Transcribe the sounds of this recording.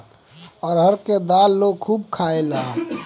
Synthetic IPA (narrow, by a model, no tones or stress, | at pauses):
ɔːɾɦəɾked̪aːlːoɡkʰuːb̚kʰaːela